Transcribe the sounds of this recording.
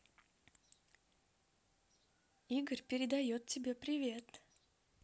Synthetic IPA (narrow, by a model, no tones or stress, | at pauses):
iɡərʲpʲɪɾʲɪd̪ɐjot̪̚tʲːɪbʲe̞pɾʲɪvʲe̞t̪